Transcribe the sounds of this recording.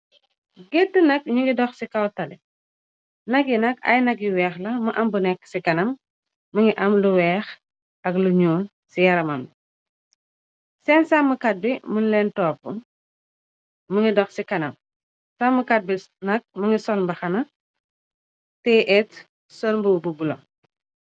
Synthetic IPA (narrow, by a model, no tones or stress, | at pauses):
ɡetːənɐk̚ɲuŋɡidɔxsikɐwtɐlɛ | nɐkːinɐkɐ̰jnɐk̬jiwɛːxlɐmɐʔɐmbunɛkːsikɐnɐmː | ɐŋiʔɐmluwɛːx | ɐkluɲuːn | sijɐɾɐmɐm | sɛnsaməkat̚bimunlɛːntɔːpːṵ | məŋɡidɔxsikɐnɐm | samːəkat̚bi | nɐk̚məŋisɔnbɐxɐnɐ | tɛʔɛt | sɔnbububulɔ̰m